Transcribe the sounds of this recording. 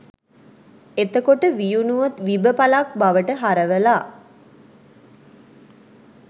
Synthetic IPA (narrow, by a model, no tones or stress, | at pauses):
et̪əkoʈəʋijunuʋɐt̪ʋibəpalak̚baʋəʈəɦaɾəʋəlaː